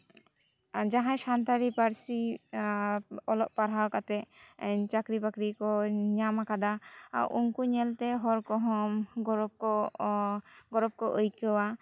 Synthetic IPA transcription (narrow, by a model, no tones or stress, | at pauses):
d͡ʒaɦãjʃant̪aɾipaɾsi | ɔlɔʔ̚paɾawkat̪ɛʔt͡ʃakɾipakɾikɔɲamakad̪aa̰wuŋkuɲɛlt̪ɛɦɔɾkɔɦɔmɡɔɾɔkɔ | ɡɔɾɔb̚kɔʔojkəwa